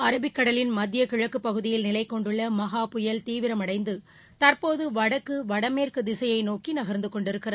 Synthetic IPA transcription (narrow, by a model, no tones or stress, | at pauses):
ɐɾɐbɪkːɐɽɐlɪnmɐd̪jɐkɪɻɐkːɯpːɐɣɯðɪjɪlnɪlɐɪkːɔɳɖɯɭːɐmɐɣaːpʊjɐlt̪iːʋɪɾɐmɐɽɐɪnd̪ɯ | t̪ɐrpoːðɯʋɐɽɐkːɯʋɐɽɐmeːrkɯd̪ɪsɐjɐɪnoːkinɐɣɐɾnd̪ɯkɔɳɖɪɾɯkːɪrɐ